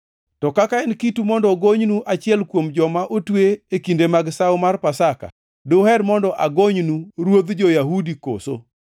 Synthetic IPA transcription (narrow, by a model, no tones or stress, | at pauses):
tɔkakaɛnkitumɔndɔɡoɲnuʔat͡ʃɪɛlkwomd͡ʒɔmaʔotweekindemaɡsaomarpasaka̰ | dohɛdmɔndɔʔaɡoɲnuɾwod̪d͡ʒɔjaɦudiko̰so